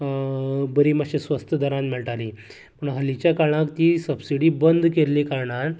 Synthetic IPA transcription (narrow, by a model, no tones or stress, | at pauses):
bəɾiːməɕesʋəst̪ʰəd̪ʱəɾãnmiɭʈali | m̤əɳɦəlit͡ɕjakaɭãkt̪iːsəbsiɽiːbənd̪ʱkeɾlikaɾɳaɾ